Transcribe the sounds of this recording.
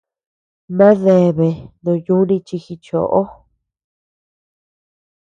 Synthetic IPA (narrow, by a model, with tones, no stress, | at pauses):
mã˦ðe˨βe˨nũ˨˧ju˦nĩ˧t͡ʃi˧xi˧t͡ʃo̰˨ʔo˦